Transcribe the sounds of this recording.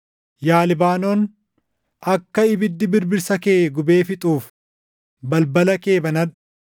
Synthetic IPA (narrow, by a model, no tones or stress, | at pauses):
jaːlɪbaːno̞ːn | ʔɐkːɐɪbɪd̪ːɪbɪɾbɪɾsɐkeːɡʊbeːfɪt̪ʼuːf | bɐlbɐlɐke̞ːbɐnɐd